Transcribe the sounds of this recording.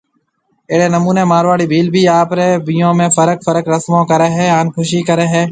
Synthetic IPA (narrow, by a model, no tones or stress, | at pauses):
eːɽeːnəmuːnẽːmaːɾʋaːɽiːbʱiːlbʱiːaːpɾeːbijõːmẽːfəɾəkfəɾəkɾəsmõːkəɾeːɦeːaːnkʰʊʃiːkəɾeːɦeː